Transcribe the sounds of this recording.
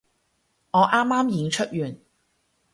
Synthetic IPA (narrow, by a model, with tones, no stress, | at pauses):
ŋɔː˨˧ʔaː˥mːaː˥mji˨˧ŋt͡ʃʰɵ˥t̚jyː˨˩n